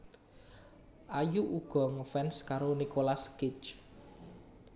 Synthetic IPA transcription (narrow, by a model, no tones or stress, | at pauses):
ʔajuʔuɡ̥ɔ̤ŋəfɛnskaɾonikolaskɪt͡ʃ